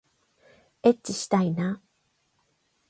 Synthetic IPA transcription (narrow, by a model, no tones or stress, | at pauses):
et͡ɕːiɕi̥t̪aina